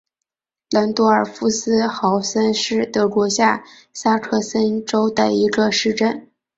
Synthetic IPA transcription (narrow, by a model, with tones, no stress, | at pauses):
lə˧˥nt̪u˥ə˞˨˩fu˥sɹ̩˥xɑ˧˥ʊsə˥nʂɻ̩˥˩t̪ɤ˧˥kwɔ˧˥ɕja˥˩ | sa˥kʰɤ˥˩sə˥nʈ͡ʂo˥ʊd̪ə˨i˧˥ɡə˧ʂɻ̩˥˩˧ʈ͡ʂə˥˩n